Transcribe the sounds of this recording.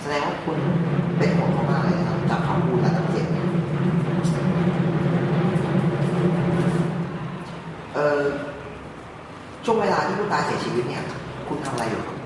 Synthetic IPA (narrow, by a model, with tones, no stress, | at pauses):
sa˧dɛː˧ŋwaː˥˩kʰu˧npe˧nhʰo˨˩˦nkʰa˥˩maː˧laː˧˩na˧˩kʰa˦˥ka̰ː˨˩kʰa˧˥˩wpʰu˥˩t̪̚ʔa˧˥a˧˥˩ḛ˨˩t̪̚ni˦˥˩ | ʔɤː˨˧˩ | t͡ɕʰu˥˩əŋweː˧laː˧t̪ʰiː˥˩pʰuː˥˩nkaː˧nsi˨˦ɐt͡ɕʰiː˧wi˦˥t̪̚ni˥˩ɐkʰu˧nt̪ʰa˧mʔa˧ɾa˧jʔṵː˨˩